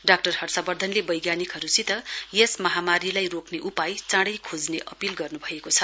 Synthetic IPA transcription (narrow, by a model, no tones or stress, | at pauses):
ɖak̚ʈʌrhʌrsabʌrd̪ʱʌnlebʌjɡjanikɦʌɾusit̪ʌjesmʌɦamaɾilajrokneʔupajt͡sãɽʌjkʰod͡zneʔʌpilɡʌrnubʱʌekot͡sʰʌ̥